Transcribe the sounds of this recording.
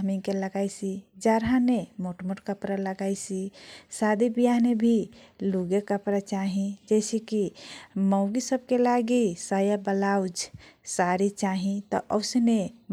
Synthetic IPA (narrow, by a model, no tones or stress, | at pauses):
miŋkeləɡajsid͡ʒaɾɦanemoʈmoʈkəpɾaləɡajsisad̪ibijanebʱiluɡekəpɾat͡ʃaɦĩd͡ʒɛsikiməɡisəb̚ʱkelaɡisajabəlawd͡ʒsaɾit͡ʃaɦĩt̪ɔ̰ʔəʊsne